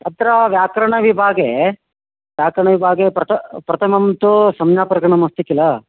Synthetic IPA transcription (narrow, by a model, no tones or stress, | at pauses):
ɐt̪ɐɾɐʋjaːkɾɐɳɐʋibʱaːɡe | ʋjaːkɾɐɳɐʋibʱaːɡepɾɐt̪ʰɐpɾɐt̪ʰɐmɐmt̪usɐmjaːpɾɐɡɐɳɐmɐst̪ikilɐ